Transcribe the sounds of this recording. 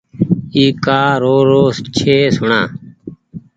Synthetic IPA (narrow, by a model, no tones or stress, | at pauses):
iːkaːɾoːɾoːst͡ʃʰeːsʊɳãː